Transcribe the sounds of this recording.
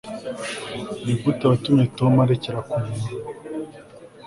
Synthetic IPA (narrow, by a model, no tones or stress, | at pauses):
ibutaβatumetomaɾeceɾakune